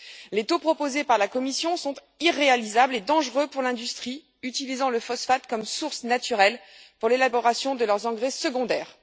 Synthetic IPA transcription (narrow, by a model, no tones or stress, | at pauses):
let̪opχɔpozepaʁlakɔmisjɔ̃sɔ̃t̪ | iʁːealizabled̪ɑ̃ʒʁøpuʁlɛ̃d̪yst̪χi | yt̪ilizɑ̃ləfɔsfat̪kɔmsuʁsnat̪yʁɛlpuʁlelabɔʁasjɔ̃d̪əlœʁzɑ̃ɡʁesəɡɔ̃d̪ɛːʁ